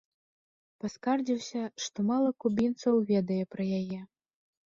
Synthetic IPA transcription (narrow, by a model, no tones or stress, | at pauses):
paskard͡zʲiwsʲɐʂt̪ɔmalˠɐkubʲint̪sɐwvʲɛd̪ɐjɛpɾɐjajɛ